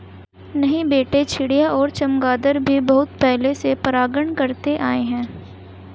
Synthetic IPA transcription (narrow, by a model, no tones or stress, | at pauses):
nɐɦĩbeːʈet͡ʃʰɪɽijaʔɔːɾt͡ʃɐmɡaːd̪əɾbʱibɐɦʊt̪pɛɦlesepɐɾaːɡəɳ̃kɐɾt̪eʔaːeɦɛ̃ː